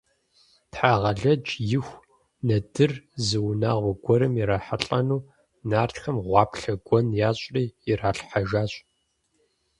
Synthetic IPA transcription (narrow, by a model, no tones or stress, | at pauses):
tħaːʁɐɮɐt͡ʃʼjɪxʷ | nɐdɨrzɨwnaːʁʷʊɡʷɔɾɨmiɾaːħaɬʼɐnuː | naːrtxɐmʁʷɑːpɬɐɡʷɔnjaːɕʼriːjɪraːɬħaʒaːɕʼ